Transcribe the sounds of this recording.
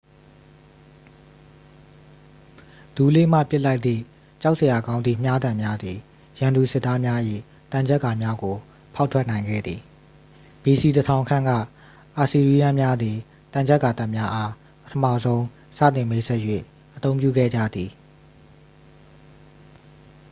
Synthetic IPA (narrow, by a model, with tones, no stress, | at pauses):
d̥u˨lḛ˦˨m̥ä̰˦˨pjɪ˦la˦ɪt̪t̪ḭ˦˨ | t͡ɕa˦ʊʔse˨ja˨ɡã˦ʊ̃nd̪ðḭ˦˨m̥ja˦d̪ã˨mja˦d̪ði˨ | jã˨nd̪u˨sɪ˦t̪ːa˦mja˦jḭ˦˨ | t̪ã˨ɲd͡ʑɛ˦ʔka˨mja˦ɡo˨ | pʰa˦ʊtʰwɛ˦ʔnã˨ɪ̃ŋɡɛ̰˦˨d̪ði˨ | b̥i˨si˨tə˨tʰã˨ʊ̃ŋkʰã˦˨ŋɡä̰˦˨ | ʔa˨si˨ɹi˦ja˦mja˦d̪ði˨ | t̪ã˨ɲd͡ʑɛ˦ʔkːa˨t̪a˦˨ʔmja˦ʔa˦ | pə̥tʰəma̰˦˨zõ˦ʊ̃ | sä̰˦˨t̪ɪ̃˨me˦sɛ˦ʔjwḛ˦˨ | ʔət̪õ˦ʊ̃mpjṵ˦˨ɡɛ̰˦˨d͡ʑa̰˦˨d̪ði˨